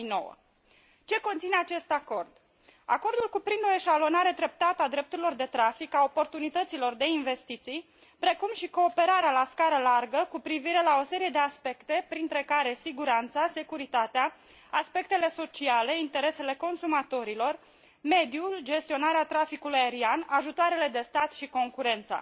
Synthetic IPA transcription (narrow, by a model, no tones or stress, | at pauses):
no̞̰wə̰ | t͡ʃe̞kont̪sine̞at͡ʃe̞st̪ako̞rd̪ | a̰ko̞rd̪ulkupɾind̪o̞e̞ʃalo̞naɾe̞d̪ɾe̞p̚t̪at̪əad̪ɾe̞p̚t̪uɾilo̞rd̪e̞t̪ɾafikao̞po̞rt̪unit̪ət̪silo̞rd̪e̞inve̞st̪it̪sij | pɾe̞kumʃiko̞ːpe̞ɾaɾealaskaɾəlarɡəkupɾiviɾe̞lao̞se̞ɾije̞d̪easpe̞kt̪e̞pɾint̪ɾe̞kaɾe̞siɡuɾant̪sase̞kuɾit̪at̪ea | aspe̞k̚t̪e̞le̞so̞t͡ʃiale̞int̪e̞ɾe̞se̞le̞ko̞nsumat̪o̞ɾilo̞r | me̞d̪iuld͡ʒe̞st̪io̞naɾeat̪ɾafikulujaeɾianaʒut̪oaɾe̞le̞d̪e̞st̪at̪ʃiko̞ŋkuɾe̞nt̪sa̰